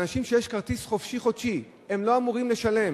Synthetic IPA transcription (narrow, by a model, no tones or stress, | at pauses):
naʃimʃejeʃkaʁt̪isχo̞fʃiχot̪ʃi | e̞mlo̞amuʁimle̞ʃale̞m